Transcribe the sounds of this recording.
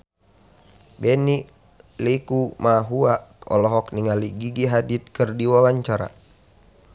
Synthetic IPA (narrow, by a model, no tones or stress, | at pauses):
bɛniʔ | likumaɦuaɔ̰lɔɦɔk̚niŋaliɡiɡiɦadit̪̚kərdiwawaɲt͡ʃaɾa̰